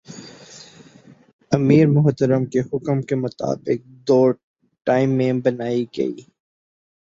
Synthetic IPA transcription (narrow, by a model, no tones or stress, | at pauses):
ɐmiːɾmʊɦt̪əɾəmkehʊkəmkemʊt̪a̰ːbɪk̚d̪oː | ʈaːɪmːẽbɐnaːiɡɐ̰ḭː